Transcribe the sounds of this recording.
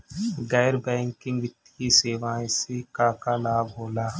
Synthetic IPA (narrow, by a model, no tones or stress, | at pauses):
ɡɛːɾbɛ̃ːŋkɪ̃ŋɡʋɪt̪ːkiseːʋaːẽsekaːkalaːɡɦoːlaː